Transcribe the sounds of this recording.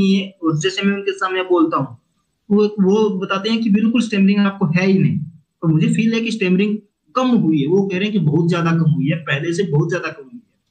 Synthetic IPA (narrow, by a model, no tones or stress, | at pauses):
iɦɛɔːɾd͡ʒɛːsemɛ̃ʊnkesaːmneboːlt̪aɦũː | oʋobɐt̪aːt̪eɦɛ̃kibɪlkʊlɪsʈeːməɾɪ̃ŋɡaːp̚koɦɛinɐɦĩː | t̪oːmʊd͡ʒʱepʰiːlɦɛkis̬ʈeːmɾɪ̃ŋɡ | kɐmɦʊiɦɛʋokɛɦɾeɦɛ̃kibɐɦʊt̪zjaːd̪akɐmɦʊiɦɛpɛɦlesebɔɦʊt̪zjaːd̪akɐmɦʊiɦɛː